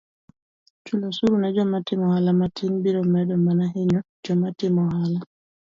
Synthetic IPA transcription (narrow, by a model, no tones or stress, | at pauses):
t͡ʃulɔsuɾunad͡ʒɔmatɪmɔhalamatʰiŋbiɾɔmɛdɔmanaɦeɲɔd͡ʒɔmatɪmɔɦala